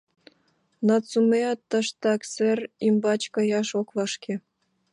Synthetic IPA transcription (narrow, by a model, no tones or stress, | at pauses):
nɑt͡sumeɑt̪ːəʃt̪ɑkserimbɑt͡ɕkɑ̆jɑʃokβɑʃke